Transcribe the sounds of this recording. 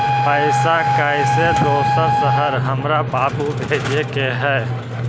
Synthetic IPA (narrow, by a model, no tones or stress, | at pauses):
pəɪsakaɪsed̪oːsəɾsəɦəɾɦəmɾabaːpubʱeːɾjekeɦɛː